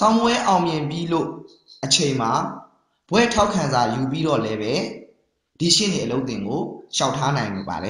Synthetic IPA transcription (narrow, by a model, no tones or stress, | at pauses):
t̪ãʊ̃mwɛʔãʊ̃mjɪ̃mpjilo̰ | ʔət͡ɕʰẽɪ̃m̥a | b̥wɛ̰tʰaʊkʰːãnzajup̬iɾɔ̰lɛbɛ | d̥iʃḛneʔəloʊt̪ɪ̃ŋɡoʃaʊtʰːanãɪ̃mba̰dɛ